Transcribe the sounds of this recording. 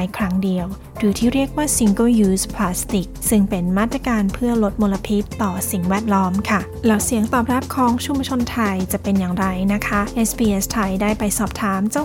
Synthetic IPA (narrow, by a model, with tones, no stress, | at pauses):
jkʰɾa˦˥ŋdi˧əw | dɯː˧˩t̪ʰiː˥˩ɾi˥˩ək̚waː˥˩si˨˧ŋko˥˩juː˧˥spʰlaː˧˦˥st̪i˨˩k̚sɯ˥˩ŋpe˧nmaː˥˩t̪ɾaː˧kaː˧npʰɯ˥˩ɐlo˦˥t̪̚moː˧la˧pʰi˦˥t̪ːɔː˨˩si˩˦ŋwɛː˥˩t̪̚lɔː˦˥mkʰa˥˩ | lɛː˦˥wsi˨˩˦əŋt̪ɔː˨˩pɾɛː˦˥˩p̚kʰɔː˨˩˦ŋt͡ɕʰu˧mbt͡ɕʰo˧nt̪ʰa˧jt͡ɕa˨˩ʔpe˧njaː˨˩ŋɾa˧jna˦˥kʰa˦˥ʔʔe˦˥spʰiː˧ʔe˦˥st̪ʰa˧jdaː˥˩jpa˧jsɔː˨˩p̚t̪ʰaː˨˦˥mt͡ɕa˧˩